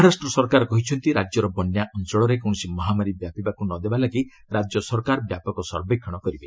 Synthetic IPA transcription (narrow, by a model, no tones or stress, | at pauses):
mɦaɾasʈɾɔsɔɾkaɾɔkɔɦit͡ʃʰɔnt̪iɾad͡ʒjɔɾɔbɔnjaʔɔnt͡ʃɔɭɔɾekɔɳ̃ɔsimɔɦamaɾibjapibakunɔd̪ebalaɡi | ɾad͡ʒjɔsɔɾɔkaɾbjapɔkɔsɔ̰ɾbekʰːɔɽ̃ɔkɔɾibe